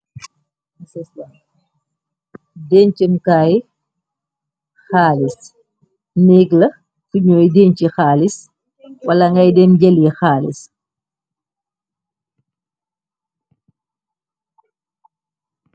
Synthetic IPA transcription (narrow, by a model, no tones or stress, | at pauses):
sɛslɐ | dɛnt͡ʃəmkaːj | xaːlis | nɛːɡlɐ | fuɲɔːjdɛːɲt͡ʃixaːlis | wɐlɐŋɡɐjdɛnɟɛljixaːlḭs